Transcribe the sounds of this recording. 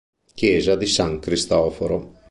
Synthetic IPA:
kjɛːzad̪isaŋkɾist̪ɔːfoɾo

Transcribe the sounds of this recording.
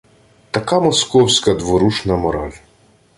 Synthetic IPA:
t̪ɐkamɔskɔwsʲkɐd̪ʋɔɾut͡ʃnɐmɔɾa̰lʲ

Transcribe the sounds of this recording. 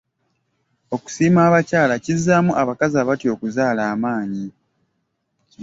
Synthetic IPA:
o̞ku̥siːmaːβacaːlacizːaːmuʔaβakazaβatjo̞ːkuzaːlaːmaːɲi

